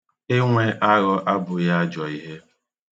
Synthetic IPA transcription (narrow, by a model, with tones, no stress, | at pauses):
e˦ŋʷe˦ʔa˦ɣʊ˦ʔa˦bʊ˨ja˦a˦d͡ʒɔ˨i˦ɦe˦